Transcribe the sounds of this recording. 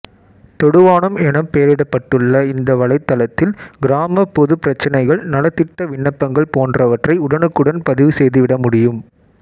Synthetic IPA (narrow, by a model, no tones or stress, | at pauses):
t̪ɔɽɯʋaːnɐmɛnɐmpejɐɾɪɽɐpːɐʈːɯɭːɐɪnd̪ɐʋɐɭɐɪt̪ːɐlɐt̪ːɪlɡɪɾaːmɐpːɔðɯpɪɾɐt͡ʃːɐnɐɪɣɐɭnɐlɐt̪ːɪʈːɐʋɪɳːɐpːɐŋɡɐɭpoːndrɐʋɐʈrɐɪʊɽɐnɯkːɯɽɐnpɐðɪʋɯsɛjðɯʋɪɽɐmʊɽɪjɯm